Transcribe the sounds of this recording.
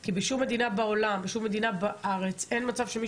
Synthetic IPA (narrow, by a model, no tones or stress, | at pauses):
kibeʃumːe̞d̪inabao̞lambeʃumːe̞d̪inabaʔaʁe̞t͡se̞nmat͡sav̥ʃemi